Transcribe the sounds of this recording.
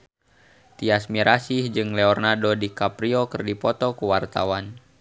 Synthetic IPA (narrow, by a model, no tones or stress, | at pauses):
t̪iasmiɾʔasihd͡ʒɨŋlɛɔrnadɔdikapɾiɔkɨrdipɔt̪ɔkuwart̪awan